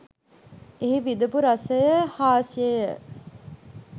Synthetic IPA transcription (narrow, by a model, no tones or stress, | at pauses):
eɦiʋid̪upuɾɐsəjəhaːsijəjə